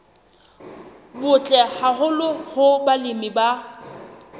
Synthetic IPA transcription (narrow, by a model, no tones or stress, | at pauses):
bʊt͡ɬʼɛhaɦʊlʊhʊbalɪmiba